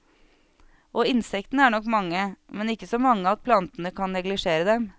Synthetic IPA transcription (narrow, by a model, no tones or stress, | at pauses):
ʔɔːɪnsɛkt̪nəæːɳɔkːmɑŋːəmɛnɪkːəsɔmɑŋːəɑt̪̚pʰlɑnt̪ənəkʰɑnnɛɡlɪʂeːɾəd̪ɛm